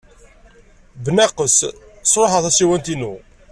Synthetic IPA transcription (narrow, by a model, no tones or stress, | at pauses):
bənæqəssɾˤoħəðˤæsiwænt̪inu